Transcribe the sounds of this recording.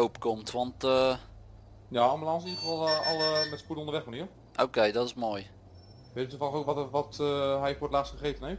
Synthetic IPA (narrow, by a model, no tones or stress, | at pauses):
owpkɔmtʋɑntə | njaːɑmbəlɑnsəniːlχəfɑlˠɑlˠəmɛtspudəondəʋɛχməniː | ʔowkejdɔtɪsmoːj | ʋeːtəətəfɔlˠəχowkʋɔtʋɑtɦɛjfoːtlaːstχəχejtənejft